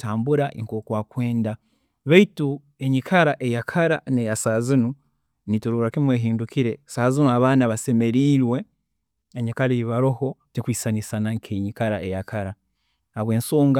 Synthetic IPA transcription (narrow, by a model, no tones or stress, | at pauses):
taːmbuɾaʔiŋkoːkwaːkwe̞ːnda | βeitu | eɲikʰaɾaʔejakʰaɾanejasaːzinu | nituɾuːɾakimwe̞ːɦiːndukiɾesaːzinuaβaːnaβase̞me̞ɾiːɾwe̞ | eɲikaɾiiβaɾoho̞tekwiːsanisanaŋkʰeɲikaɾaʔejakʰaɾa | haβwe̞ːnsoːŋɡa